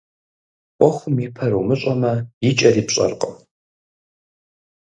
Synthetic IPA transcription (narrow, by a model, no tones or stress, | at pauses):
ʔʷɔxʷʊmipʰɐɾumɨɕʼɐmɐjɪt͡ʃʼɐriːpɕʼɐ̰rqʼɐ